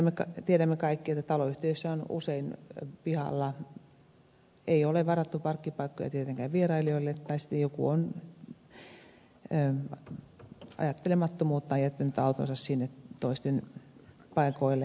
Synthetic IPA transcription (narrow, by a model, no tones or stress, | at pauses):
mːekɑt̪ieɾæmːekɑikːiet̪ːæt̪ɑloyht̪eysːæonṵseinpihɑ̰lːɑ | eioleʋɑrɑt̪ːupɑrkːipɑikːo̰jɑ̰iet̪eŋkæʋʋierɑilioilːet̪t̪ːɑisi̥t̪ːejokṵon | ɑ̰jɑt̪ːelemɑt̪ːomuːt̪ːɑjæt̪ːynyt̪ɑut̪o̰nsɑssinːet̪t̪oist̪en | pɑikoilːe